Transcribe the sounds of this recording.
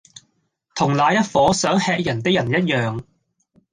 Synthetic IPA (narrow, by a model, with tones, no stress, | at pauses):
t̪ʰʊ˨˩ŋlaː˨˧jɐ˥t̚fɔː˨˥sœː˨˥ŋhɛː˧k̚jɐ˨˩nt̪ɪ˥k̚jɐ˨˩njɐ˥t̚jœː˨ŋ